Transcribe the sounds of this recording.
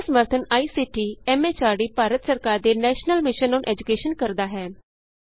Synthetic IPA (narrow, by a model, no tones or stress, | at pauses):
səməɾt̪ʰənaːiːsiːʈiːɛːmeːt͡ʃaːɽiːpaːɾət̪səɾkaːɾd̪eːnɛːʃnəlmɪʃənoːnʔɛːd͡ʒʊkeːʃənkəɾd̪aːɦɛː